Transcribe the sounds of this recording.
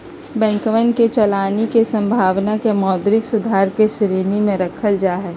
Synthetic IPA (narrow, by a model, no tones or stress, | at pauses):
bɛ̃ːŋkʋənket͡ʃɐlaːnikesə̃mbʱaːʋnakemɔːd̪ɾɪksʊd̪ʱaːɾkesɾeːnimẽɾəkʰəld͡ʒaːɦɛː